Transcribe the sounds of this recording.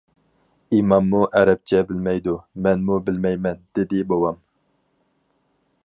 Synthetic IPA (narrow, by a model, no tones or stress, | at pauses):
imɑmːuʔɛɾɛp̚t͡ʃʰɛbɪlmɛjd̪umɛnmubɪlmɛjmɛnd̪̥ɪd̪ɪbowɑm